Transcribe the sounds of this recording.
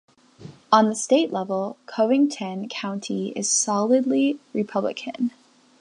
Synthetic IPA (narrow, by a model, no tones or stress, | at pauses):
ə̃nðɨsteɪʔˡlɛvl̩ˠkʰoʊɪ̃ŋtʰɨ̃nkʰãʊ̃ntʰiɪ̰z̥sɑlˠɨdˡliɹɨpʰʌblɨ̰kʰɨ̰̃n